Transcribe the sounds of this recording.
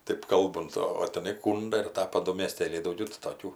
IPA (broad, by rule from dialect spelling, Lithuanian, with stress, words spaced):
ˈtɜp ˈkɐlˠbʊnt oː oː tʲɛˈnɐɪ ˈkuːndɐ ɪr ˈtɑːpɐ ˈdʊ mʲeːˈsʲtʲeːlʲɛɪ dɐʊˈɡʲɛʊ tɐɪ toːˈkʲuː